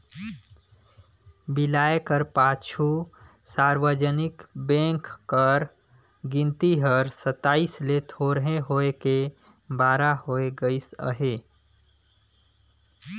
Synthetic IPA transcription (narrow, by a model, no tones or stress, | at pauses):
bilaekəɾpat͡ʃʰu | saɾʋəd͡ʒənikbẽŋkːəɾ | ɡĩnt̪iɦəɾsət̪ːaːislet̪ʰoɾɦẽɦoeke | baɾahoeɡəisə̰ɦe